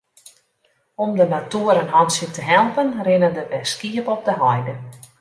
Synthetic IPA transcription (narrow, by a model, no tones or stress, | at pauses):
ɔmdənatuəɾənɦɑnsjətəɦɛlˠpənrɪnəndəbɛskiəpɔp̚dəɦɔjdə